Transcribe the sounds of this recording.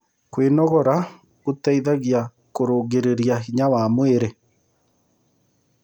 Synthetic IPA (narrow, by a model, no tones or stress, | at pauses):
kwenɔɣɔɾa | kotɛiðaɣia | koɾoːɡeɾeɾijaɦiɲawamweɾe